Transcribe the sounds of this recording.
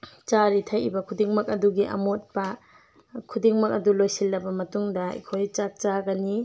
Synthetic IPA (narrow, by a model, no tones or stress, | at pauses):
t͡ʃaɾitʰajḭbɐkʰudiŋmɐk̚ɐduɡiʔɐ̰mot̚pɐ | kʰudiŋmɐk̚ɐdulojsilːɐbɐmɐtuŋdɐɐ̰kʰojt͡ʃak̚t͡ʃaɡɐni